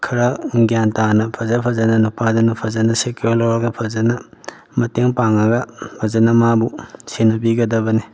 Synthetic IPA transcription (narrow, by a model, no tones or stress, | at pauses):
kʰiɾɐɡijantanɐpʰɐzɐpʰɐzɐnɐnupadanupʰɐzɐnɐseklawɾɐɡɐpʰɐzanɐ | mɐteŋpaŋɐɡɐpʰɐzanɐmabusenɐbiɡɐdɐbɐni